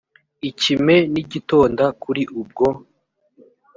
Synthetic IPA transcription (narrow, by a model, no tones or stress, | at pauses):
icime̞niɟito̞ːndakuɾiʔub̚ɡo